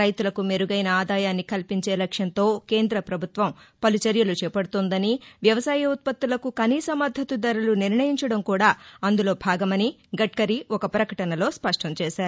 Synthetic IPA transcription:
ɐjt̪ulɐkume̞ɾuɡɐjnɐaːd̪aːjaːnːikɐlpiɲt͡ʃeːlɐkʂjɐnt̪o̞ːke̞ːnd̪ɾɐpɾɐbʱut̪ʋɐmpɐlut͡ʃɐɾjɐlut͡ʃɛːpɐɽut̪oːnd̪ɐniʋjɐʋɐsaːjɐut̪̚pɐt̪ːulɐkukɐniːsɐmɐd̪ʱɐt̪ud̪ɐɾuluniɾɳɐjiɲt͡ʃɐɽɐmkuːɽaːɐnd̪ulo̞ːbʱaːɡɐmɐniɡɐʈ̚kɐɾiɔkɐpɾɐkɐʈɐnɐlo̞ːspɐʂʈɐmt͡ʃɛːʃaːɾu

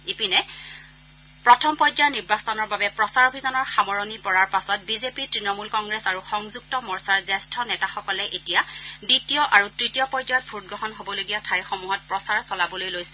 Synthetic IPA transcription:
ipinɛ | pɹɔtʰɔmpɔjd͡ʒaɹniɹbasɔnɔɹbabɛpɹɔsaɹobʱizɔnɔɹxamɔɹonipɔɹaɹpasɔt̚bizepitɹinɔmulkɔŋɡɹɛsaɹuxɔŋzuk̚tɔmɔɹsaɹzɛstʰɔnɛtaxɔkɔlɛʔetijaditijɔʔaɹutɹitijɔpɔjd͡ʒajtbʱut̚ɡɹɔɦɔnɦobɔloɡijatʰajxomuɦɔt̚pɹɔsaɹsɔlabɔlojlojsɛ̥

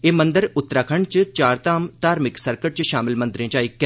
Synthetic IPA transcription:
eːmə̃nd̪əɾʊt̪ːɾaːkʰəɳt͡ʃt͡ʃaːɾt̪aːmt̪aːɾmɪksəɾkəʈ̚t͡ʃʃaːmɪlmɐ̃nd̪ɾẽːt͡ʃaːikːɛ

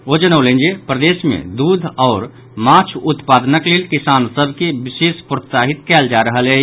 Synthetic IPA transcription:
od͡ʒənəʊlẽnd͡ʒepɾəd̪esmḛ̃d̪ud̪ʱɔːɾ | mat͡ʃʰut̪pad̪nəklelkisansəbʱkebisespɾot̪saɦit̪kɛld͡ʒaɾəɦəle

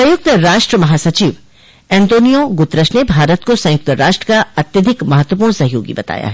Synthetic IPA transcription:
sɐ̃jʊk̚t̪ɾaːʃʈɾəmɐɦaːsɐt͡ʃiːʋ | ɛ̃ːnt̪oːnijoɡʊt̪ɾəʃnebʱaːɾət̪̚kosɐ̃jʊk̚t̪əɾaːʃʈɾəkaɐt̪jɐd̪ʱɪkmɐɦət̪wəpuːɽ̃ñsɐɦjo̰ːɡḭbɐt̪a̰ːja̰ɦɛ

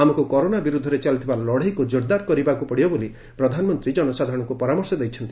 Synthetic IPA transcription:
amɔkukɔɾonabiɾud̪ʱːɔɾet͡ʃalit̪ʰibalɔɽ̤ajkud͡ʒoɾd̪aɾkɔɾibakupɔɽibɔboli | pɾɔd̪ʱanɔmɔnt̪ɾid͡ʒɔnɔsad̪ʱaɾɔ̃ɔŋkupɔɾamɔɾsɔd̪ejt͡ʃʰɔnt̪i

